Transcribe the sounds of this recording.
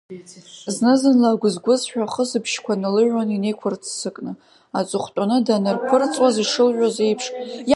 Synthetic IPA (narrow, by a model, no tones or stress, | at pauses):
znɨzɨnlaːɡʷʊzɡʷʊzħᶣaχəsɨpʰʃkʷʰanɨlɨʒanine̞jkʷʰʊrt͡sʰsɨkʼnɨ | at͡sʷʼʊχʷtʷʼanɨdanɨrkʷʰʊrt͡sʼwaziʂɨlʒʷᶣazejpʰʂʼj